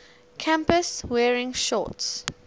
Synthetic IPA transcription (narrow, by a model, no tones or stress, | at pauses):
kʰãmpəswɛːɹɪ̃ŋʃɔ̰ts